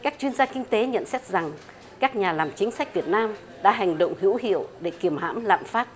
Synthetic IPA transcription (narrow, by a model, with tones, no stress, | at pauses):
kaː˦˥k̚t͡ɕwi˧ənzaː˧kï˧ŋ̟t̪e˨˦ɲə̰˧˨nsɛ˦˥t̚za˨˩ŋ | kaː˦˥k̚ɲaː˨˩laː˨˩mt͡ɕï˨˦ŋ̟sa˦˥k̟̚vi˨˩ət̚naː˧m | ɗa̰ː˧˥ɦa˨˩ŋ̟ɗo̰˧˨wŋ͡mhɨ̰˧˥əwhḭ˧˨əwɗe˧˩ki˨˩əmɦa̰ː˧˥mla̰ː˧˨mfaː˦˥t̚